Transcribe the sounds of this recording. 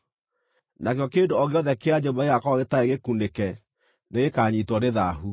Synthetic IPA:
nakjɔkendoɔɣeɔðɛkeaɲombaeɣakɔɣetaeɣekundekɛ | neɣekaɲitwɔneðaɦu

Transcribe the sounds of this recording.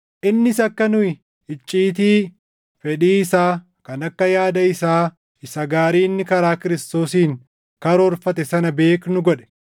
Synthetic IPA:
ʔɪnːɪsɐkːɐnʊɪ | ɪt͡ʃʼːiːt̪̬iː | fɛᶑiːɪsaː | kɐnɐkːɐjaːd̪ɐɪsaː | ɪsɐɡaːɾiːnːɪkɐɾaːkɪɾɪst̪o̞ːsiːŋ | kɐɾɔɾfɐt̪̬ɛsɐnɐbe̞ːknʊɡɔᶑɛ̥

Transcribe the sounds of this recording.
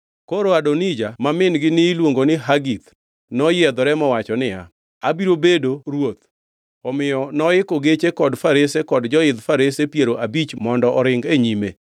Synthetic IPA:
koɾoadɔnid͡ʒamamɪnɡɪnɪilwoŋɡonɪɦaɡit̪ | nɔjɛd̪ɔɾɛmɔwat͡ʃɔnɪa | abiɾobedoɾwot̪ | ɔmɪjɔnɔɪkoɡet͡ʃekɔdfaɾesekɔdd͡ʒɔɪd̪faɾesepjeɾoʔabit͡ʃmɔndɔʔɔɾɪŋɡeɲime

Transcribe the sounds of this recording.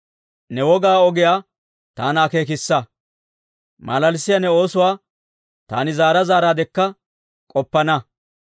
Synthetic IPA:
nɛwɔɡaːɔɡɪjaː | t̪aːnaːkeːk̬ɪsːɐ | mɐ̰lɐlsɪjanɛo̞ːsʊwaː | t̪a̰ːnɪzaːɾɐzaːɾaːd̪ɛkːɐ | kʼɔpːɐnɐ

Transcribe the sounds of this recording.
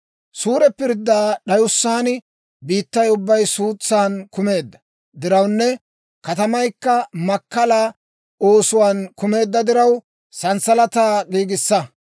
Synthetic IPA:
suːɾɛpɪɾd̪ːaːɗɐjʊsːaːnɪ | biːt̪ːɐjʊbːɐjsuːt͡sːaːnkʊme̞ːd̪ːɐ̥ | d̪ɪɾɐwnːɛ | kɐt̪ɐmɐjkːɐmɐkːɐla | o̞ːsʊwaːnkʊme̞ːd̪ːɐd̪ɪɾɐw | sɐnsɐlɐt̪aːɡiːɡɪsːɐ

